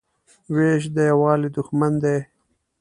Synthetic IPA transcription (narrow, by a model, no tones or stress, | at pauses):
weʃ̬d̪əjawɑːlid̪ʊxmand̪e